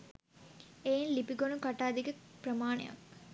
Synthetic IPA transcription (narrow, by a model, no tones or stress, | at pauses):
ejnlipiɡonukaʈaːd̪iɡəpɾɐmaːnḛja̰k